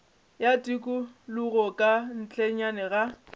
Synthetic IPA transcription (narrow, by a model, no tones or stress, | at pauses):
jatʼikʼʊlʊɣɔkʼan̩t͡ɬʼeɲanɛɣa